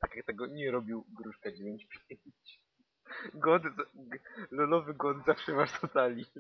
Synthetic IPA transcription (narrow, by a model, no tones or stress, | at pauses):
t̪akʲjak̚t̪ɛɡɔɲɛɾɔbʲiwɡɾuʂkad͡ʑevʲjeɲt͡ɕpʲjeɲɲt͡ɕ | ɡwɔt̪z | lɔlɔvɘɡwɔd̪zafʂɛvaʐt̪ɔt̪alʲi